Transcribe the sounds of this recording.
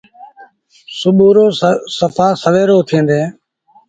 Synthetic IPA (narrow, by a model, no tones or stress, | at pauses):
sʊɓuːɾoːsəpʰãːsəʋeːɾoːt̪ʰĩːnd̪eː